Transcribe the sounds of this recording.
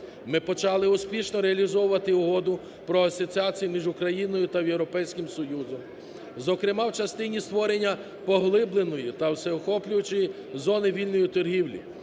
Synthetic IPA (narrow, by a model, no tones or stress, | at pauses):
mɪpɔt͡ʃɑlˠɪʊspʲiʃnɔɾeɐlʲizɔwʊʋɐt̪ɪʊɦɔd̪ʊ | pɾɔɐsɔt͡sʲiat͡sʲijimʲiʒʊkɾɐjinɔjʊt̪ɐwjewɾɔpɛjsʲkʲɪmsɔjuzɔm | zɔkɾɪmɑwt͡ʃɐst̪ɪnʲist̪ʋɔɾe̞nʲːɐ | pɔɦlˠɪblˠenɔjit̪ɐwseɔxɔplʲʊjʊt͡ʃɪji | zɔnɪʋʲilʲnɔjit̪ɔrɦiwlʲḭ